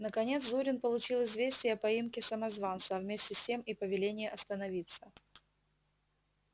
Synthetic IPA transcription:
nəkɐnʲe̞t̪szuɾʲɪnpəlˠʊt͡ɕilˠɪzvʲesʲtʲɪjəɐpɐimkʲɪsəmɐzvant̪sɐvmʲesʲtʲɪsʲtʲe̞mipəvʲɪlʲenʲɪjəʔɐst̪ənɐvʲit̪sə

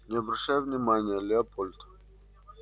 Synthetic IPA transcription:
nʲɪɐbɾɐɕajʊvnʲɪmanʲɪjəlʲɪɐpolʲt̪

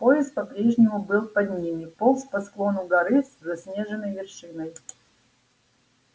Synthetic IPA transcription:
po̞jɪst̪̚pɐpɾʲe̞ʐnʲɪmʊbɨlˠpɐd̪ʲnʲinɨpolˠspɐsklˠo̞nʊɡɐɾɨszɐsʲnʲeʐɨnːəjvʲɪrʂɨnəj

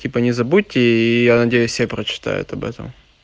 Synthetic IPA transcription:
tʲipənʲɪzɐbutʲːɪijanɐdʲejʊsʲepɾət͡ɕɪ̥t̪a̰jʊ̰t̪ɐbɛ̰t̪ə̰m

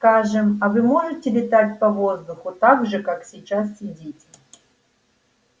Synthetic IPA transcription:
skaʐɨmɐvɨmo̞ʐɨtʲɪlʲɪt̪atʲpɐvo̞zd̪ʊxʊt̪aɡʐɨkaksʲɪt͡ɕasːʲɪdʲetʲ

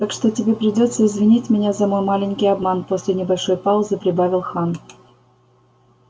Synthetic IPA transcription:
t̪akʂt̪otʲɪbʲepɾʲɪdʲot̪sːəɪzvʲɪnʲitʲmʲɪnʲazɐmo̞jmalʲɪnʲkʲijɐbmanposʲlʲɪnʲɪbɐlʲʂo̞jpalˠzɨpɾʲɪbavʲɪlˠxan

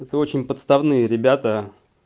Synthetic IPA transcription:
ɛt̪əo̞t͡ɕɪnʲpət̪st̪ɐvnɨjəɾʲɪbʲat̪ə

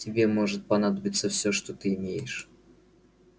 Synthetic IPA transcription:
tʲɪbʲe̞mo̞ʐɨt̪̚pɐnad̪əbʲɪt̪səfsʲoʂt̪ot̪ɨɪmʲejɪʂ

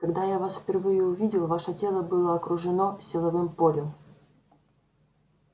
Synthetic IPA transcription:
kɐɡd̪ajavasfʲpʲɪrvɨjʊʊvʲidʲɪlˠvaʂətʲelˠəbɨlˠəɐkɾʊʐɨnosʲɪlˠɐvɨmpolʲʊm

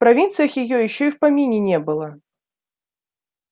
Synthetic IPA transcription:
pɾavʲint̪sɨjɐxjɪjɔjɪɕːɔiwpamʲinʲɪnʲɛbɨlˠɐ

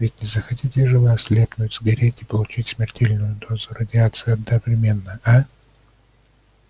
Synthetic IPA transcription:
vʲɪtʲnʲɪzəxɐtʲitʲɪʐɨlasʲlʲepnʊtʲzɡɐɾʲetʲɪpəlˠʊt͡ɕitʲsmʲɪrtʲelʲnʊjʊd̪ozʊɾədʲɪat̪sɨjəɐd̪nəvɾʲɪmʲe̞nːəa

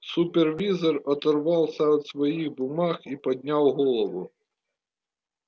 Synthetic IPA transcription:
supʲɛrvʲizɔrɐt̪ɐrvɑwsaɔt̪sʋɐjiɣbʊmaxipɐd̪ʲnʲawɣɔlˠɐʋu

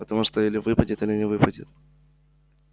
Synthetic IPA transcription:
ət̪ɐmuʂt̪oilʲɪvɨpədʲɪt̪ɨlʲɪnʲɪvɨpədʲɪ̰t̪

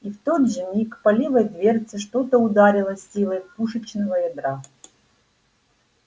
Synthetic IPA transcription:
ift̪od̪ʐɨmʲikpɐlʲivəjd̪vʲert̪sɨʂt̪ot̪əʊd̪aɾʲɪlˠəsʲilˠəjpuʂɨt͡ɕnəvəjɛd̪ɾa

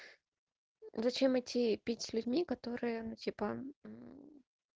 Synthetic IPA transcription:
zɐt͡ɕemɨtʲipʲitʲsʲlʲʉdʲmʲikɐt̪oɾɨjənutʲipə

